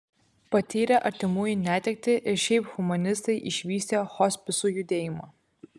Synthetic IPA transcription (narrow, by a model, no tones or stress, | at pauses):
pɐt̪ʲiːɾʲɛʔɐɾʲt̪ʲɪmuːjinʲæːt̪ʲɛk̚t̪ʲɪʔɪɾʃʲɛɪpxʊmɐnʲɪst̪ɐɪʔɪʃʲʋʲiːsʲt̪ʲexɔsʲpʲɪsuːjʊd̪ʲeːjɪmɐː